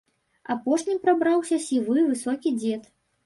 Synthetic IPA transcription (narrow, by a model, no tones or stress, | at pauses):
apɔʂnʲipɾabɾawsʲɐsʲivɨvɨsɔkʲid͡zʲɛt̪